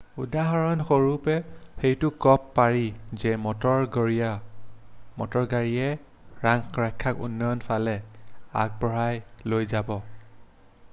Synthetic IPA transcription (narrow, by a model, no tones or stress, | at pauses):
udaɦɔɹɔnxoɹupɛxejtʊkɔpːaɹizɛmɔtɔɹɡɔɹia | mɔ̰tɔɹɡaɹiɛ | ɹaŋkɹajkʰːakṵnːɔjɔnpʰalɛa̰k̚bɔɹajlojzabɔ